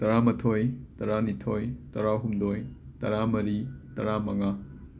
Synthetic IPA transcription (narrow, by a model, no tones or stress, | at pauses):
tɐɾamɐtʰojtɐɾanitʰojtɐɾaɦumdojtɐ̰ɾamɐɾitɐɾamɐŋa